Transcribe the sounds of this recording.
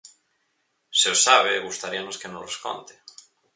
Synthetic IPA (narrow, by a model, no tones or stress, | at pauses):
seosaβeɣust̪aɾianoskenoresko̰nt̪ɪ̥